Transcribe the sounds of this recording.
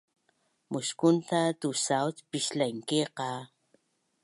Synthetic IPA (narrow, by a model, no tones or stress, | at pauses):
mʊskʊnt̪at̪usawt̪piʃlajŋkeqɑ